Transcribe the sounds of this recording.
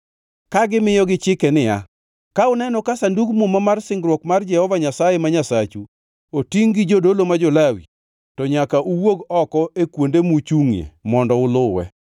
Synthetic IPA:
kaɡɪmɪjɔɡɪt͡ʃɪkɛnɪja̰ | kaʊnɛnɔkasanduɡmʊmamarsɪŋɡɾwɔkmard͡ʒɛhɔvaɲasajemaɲasat͡ʃu | otiŋɡɪd͡ʒodolomad͡ʒɔlawḭ | tɔɲakaʔuwoɡɔkɔekwondemut͡ʃuŋjḛmɔndɔʊlʊwɛ̰

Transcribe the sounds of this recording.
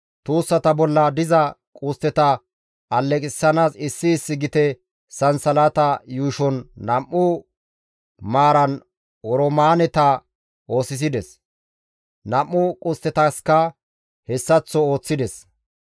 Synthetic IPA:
t̪uːsːɐt̪ɐbɔlːɐd̪ɪzɐkʼʊst̪ːɛt̪ɐ | ɐlːɛkʼɪsːɐnaːsɪsːɪːsːɪɡɪt̪ɛ | sɐnsɐlat̪ɐjuːʃɔnːɐmːʊ | maːɾɐn | ɔɾɔmaːnɛt̪ɐ | o̞ːsɪs̬ɪd̪ɛs | nɐmːʊkʼʊst̪ːɛt̪ɐskːɐ | hɛsːɐt͡sːɔo̞ːt͡sːɪd̪ɛs

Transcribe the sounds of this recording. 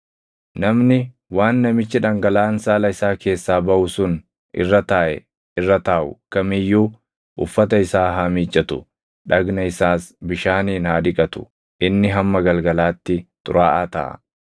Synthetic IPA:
nɐmnɪ | waːnːɐmɪt͡ʃːɪᶑɐŋɡɐlaːnsaːlɐɪsaːke̞ːsːaːbɐʔʊsʊn | ʔɪ̰rːɐt̪aːʔɛ̰ | ɪrːɐt̪aːʔʊ̰kɐmɪjːuː | ʔʊ̰fːɐt̪ɐɪsaːɦɐmiːt͡ʃʼːɐt̪ʊ | ᶑɐɡnɐɪsaːsbɪʃaːniːnhaːd̪ɪkʼɐt̪ʊ̥̰ | ʔɪnːɪɦɐmːɐɡɐlɡɐlaːt̪ːɪt̪ʼʊ̰ɾaːʔaːt̪ɐ̰ʔɐ̰

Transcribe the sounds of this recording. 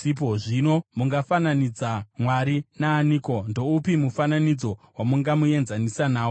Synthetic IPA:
ip̬oʐino̞muŋɡafananid͡zamwaɾinaːniːko̞ndo̞upimufananid͡zo̞wamuŋɡamue̞nzanisanaːo

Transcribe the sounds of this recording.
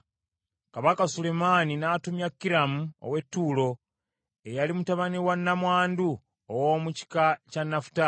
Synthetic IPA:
kaβakasule̞maːninatumjakːiɾamuo̰we̞tːuːlo̞ | ejalimutaβaniwanːamwaːndu | owoːmuci̥kacanːafu̥ta

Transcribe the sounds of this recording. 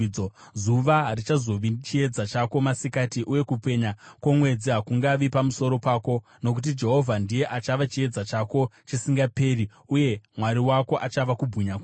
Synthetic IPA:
ozuʋaɦrit͡ʃazo̞ʋit͡ʃie̞d͡zat͡ʃako̞masikatiʔuje̞kupe̞ɲakwomwe̞d͡ziɦakuŋɡaʋipamuso̞ɾo̞paːko̞ | no̞k̬ut̬id͡ʒe̞ɦo̞vʱandije̞ʔat͡ʃaʋat͡ʃie̞d͡zat͡ʃako̞t͡ʃisiŋɡape̞ːɾi | uje̞mwaɾiwako̞ʔat͡ʃaʋakubʱuɲak

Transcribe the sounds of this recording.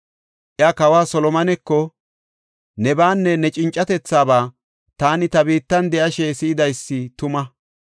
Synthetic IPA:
ʔjakɐwaːsɔlɔmɐnɛkːɔ | nɛbaːnːɛnɛt͡ʃʼɪnt͡ʃʼːɐt̪ɛt͡sːaːbaː | t̪aːnɪt̪ɐbiːt̪ːɐnd̪ɛʔɐʃɛsɪɪd̪ɐjsːɪt̪ʊmɐ

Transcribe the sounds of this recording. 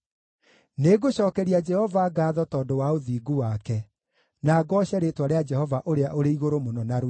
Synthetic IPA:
neɡoɕɔːkɛɾiad͡ʒɛhɔvaɡaːðɔtɔːdowaoðiːɡuwakɛ | naːɡɔːɕɛɾetwaɾead͡ʒɛhɔvaʔoɾeaʔoɾeiɣoɾomonɔnaɾ

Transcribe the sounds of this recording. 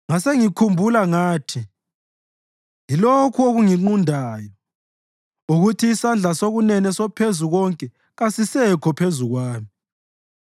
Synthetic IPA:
ŋaseŋikʰumbʱulaŋaːtʰi | ŋilokʰuoɣuŋiŋ͡ǃundʱaːjɔ | uɣutʰiːsand͡ɮʱasoɣunɛnɛsɔpʰezuɣɔŋkʼɛ | ɣasisɛkʰɔpʰezuɣwaːmi

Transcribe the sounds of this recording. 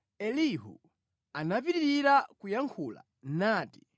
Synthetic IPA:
ɛliɦṵ | anapiɾiɾiɾakujaŋkʰula̰ | naːti̥

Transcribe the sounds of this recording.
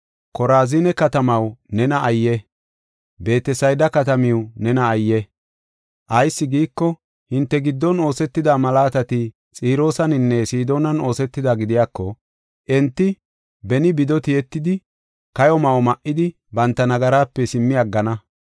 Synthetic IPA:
kɔɾaːzɪnɛkɐt̪ɐmɐwnɛnɐʔɐjːɛ | be̞ːt̪ɛsɐjd̪ɐkɐt̪ɐmɪwnɛnɐːjːɛ | ʔɐjsːɪɡiːkːɔ | hɪnt̪ːɛɡɪd̪ːɔno̞ːsɛt̪ːɪd̪aːmɐlaːt̪ɐt̪ɪ | t͡sʼiːɾo̞ːsɐnɪnːɛsiːd̪o̞ːnɐno̞ːsɛt̪ːɪd̪aɡɪd̪ɪjaːkːɔ | ʔɛnt̪ːɪ | bɛnɪbɪd̪ɔt̪ɪjɛt̪ːɪd̪ɪ | kɐjɔmɐwmɐʔːɪd̪ɪ | bɐnt̪ːɐnɐɡɐɾaːpːɛsɪmːɪɐɡːɐnɐ

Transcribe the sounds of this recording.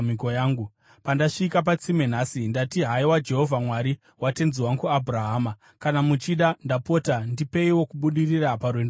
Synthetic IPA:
ikojaːŋɡu | pandaʂikap̬at͡sime̞n̤asindatiɦaiwad͡ʒe̞ɦo̞vʱamwaɾi | wate̞nziwaŋkuabʱraɦaːma | kanamut͡ʃiɗandapo̞ːtandipe̞iwo̞kuɓuɗiriraparwend

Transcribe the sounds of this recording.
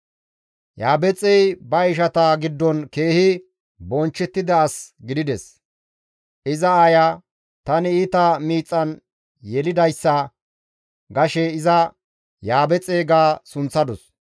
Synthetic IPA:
jaːbɛt͡sʼɛjbɐɪʃɐt̪ɐɡɪd̪ːɔnke̞ːhɪ | bɔnt͡ʃːɛt̪ːɪd̪ɐːsɡɪd̪ɪd̪ɛs | ʔɪzɐaːja | t̪ɐnɪit̪ɐmiːt͡sʼːɐn | jɛlɪd̪ɐjsːɐ | ɡɐʃɛɪzɐ | jaːbɛt͡sʼːeːɡaːsʊnt͡sːɐd̪ɔs

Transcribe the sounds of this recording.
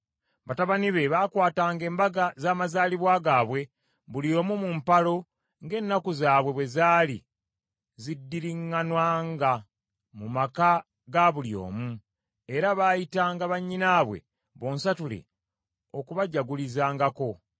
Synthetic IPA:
βataβaniβe̞βaːkwaːtaːŋɡe̞ːmbaɡazaːmazaːliβwaːɡaβwe̞ | βuljo̞ːmumumpalo̞ | ŋɡe̞ːnːakuzaːβwe̞βwe̞zaːlḭ | zidːiɾiŋːanwaːŋɡa | mumaka | ɡaβuljo̞̰ːmu | eɾaβaːjitaːŋɡaβaɲːinaːβwe̞̰ | βo̞ːnsatulḛ | o̞kuβaɟaɡulizaːŋɡako̞

